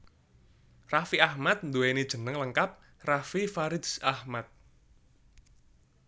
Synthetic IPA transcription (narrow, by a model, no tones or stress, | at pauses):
rafiahmat̪̚nd̪uwenid̥ʒ̥ə̤nəŋləŋkap̚ | rafifaɾɪsahmat̪̚